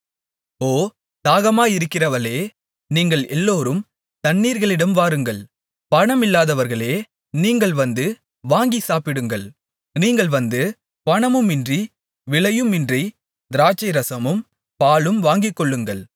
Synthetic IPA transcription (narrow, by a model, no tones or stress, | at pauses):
oː | t̪aːɣɐmaːɪɾɯkːɪrɐʋɐleː | niːŋɡɐɭɛlːoːɾɯm | t̪ɐnːiːɾɣɐɭɪɽɐmʋaːɾɯŋɡɐɭ | pɐɳɐmɪlːaːðɐʋɐɾɣɐɭeː | niːŋɡɐɭʋɐnd̪ɯ | ʋaːŋɡisaːpɪɽɯŋɡɐɭ | niːŋɡɐɭʋɐnd̪ɯ | pɐɳɐmɯmɪndri | ʋɪɭɐjɯmɪndri | d̪ɪɾaːt͡ʃːɐɪɾɐsɐmɯm | paːɭɯmʋaːŋɡɪkːɔɭːɯŋɡɐɭ